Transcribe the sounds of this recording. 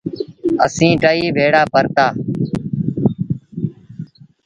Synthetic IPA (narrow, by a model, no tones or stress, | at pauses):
ə̰sĩːʈəːiːbʱeːɽaːpəɾt̪aː